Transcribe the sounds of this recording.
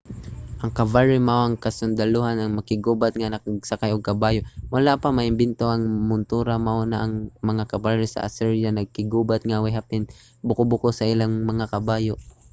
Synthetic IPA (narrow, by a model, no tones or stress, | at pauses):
ʔɐŋkɐbaɹɪmaʔoʔɐŋkɐsʊnd̪alohanɐŋmɐkɪɡuːbat̪̚ŋanɐkaɡ̚sakajʔoɡ̚kɐbaːjoʔwɐlapamɐʔɪmbɪnt̪oʔɐŋmʊnt̪uːɾamaʔonaʔɐŋmɐŋakɐbaɹɪsɐ̰ʔa̰sɛɹjanɐɡ̚kɪɡuːbat̪̚ŋawɛhapɪn | bʊkobʊkosɐʔɪlaŋmɐŋakɐbaːjoʔ